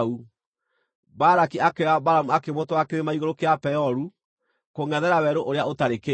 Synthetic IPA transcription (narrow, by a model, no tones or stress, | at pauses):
u | baɾakiakeɾabaɾamuakemotwakeɾemaiɣoɾokeapɛɔɾu | koŋɛðɛɾawɛɾoʔoɾeaotaɾeke